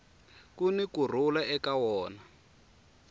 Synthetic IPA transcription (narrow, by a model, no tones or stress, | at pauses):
kunikur̤ulaɛkawɔːna